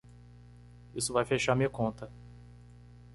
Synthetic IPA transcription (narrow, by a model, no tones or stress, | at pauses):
isʊvajfeʃaɾmiɐkõnt̪ɐ